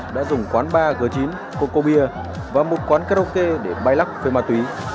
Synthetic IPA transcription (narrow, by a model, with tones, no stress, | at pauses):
ɗa̰ː˧˥zʊ˨˩ŋ͡mkwaː˨˦nɓaː˧ɣɨ˨˩ət͡ɕi˨˦n | ko˧ko˧ɓi˧ə | vaː˨˩mo˨˩t̚kwaː˨˦nka˧ɾo˧ke˧ɗe˧˩ɓaː˧jla˦˥k͡p̚fe˧maː˧t̪wi˨˦